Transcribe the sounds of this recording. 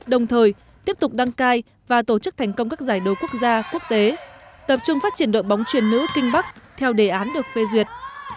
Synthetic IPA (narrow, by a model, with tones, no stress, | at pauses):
ɗə˨˩wŋ͡mt̪ʰəː˨˩j | t̪i˦˥əp̚t̪ʊ˨˩k͡p̚ɗa˧ŋkaː˧j | vaː˨˩t̪o˧˩t͡ɕɨ˦˥k̚t̪ʰɛ˨˩jŋ̟kə˧wŋ͡mkaː˦˥k̚zaː˧˩jɗə˨˩wku˦˥ək̚zaː˧ku˦˥ək̚t̪e˨˦t̪ə˨˩p̚t͡ɕʊ˧ŋ͡mfaː˦˥t͡ɕi˧˩ənɗo̰˧˨jɓɔ˨˦wŋ͡mt͡ɕwi˨˩ənːɨ̰˧˥kï˧ŋ̟ɓa˦˥k̚t̪ʰɛ˧wɗe˧˩ʔaː˨˦nɗɨ˨˩ək̚fe˧zwi˨˩ət̚